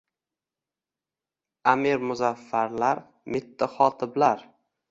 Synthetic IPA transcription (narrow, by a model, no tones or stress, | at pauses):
amiɾmʊzafːaɾlaɾ | mɪt̪ʰːaχɒt̪ʰɪblaɾ